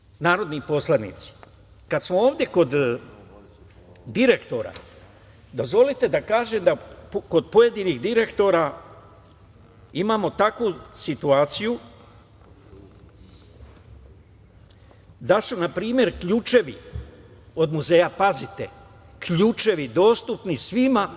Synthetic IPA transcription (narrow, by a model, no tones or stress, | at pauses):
naːɾo̞d̪nipo̞slˠanḭt̪si̥ | kad̪smooːvd̪ʲje̞ko̞d̪ | d̪iɾe̞kt̪o̞ɾa̰ | d̪o̞zʋo̞lit̪e̞d̪akaːʒe̞md̪apko̞d̪̚po̞je̞d̪iniɣd̪iɾe̞kt̪o̞ɾa | imaːmo̞t̪akʋusit̪uaːt̪siju | d̪asunapɾiːmje̞ɾkʎuːt͡ʃe̞ʋi | o̞d̪muze̞ːjapazit̪ḛ | kʎuːt͡ʃe̞ʋid̪o̞ːst̪upnisʋima